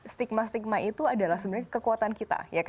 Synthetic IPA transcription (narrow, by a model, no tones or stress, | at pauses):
st̪ik̚mast̪ik̚mait̪uadalahsəbənɲakəkuat̪ankit̪a̰jak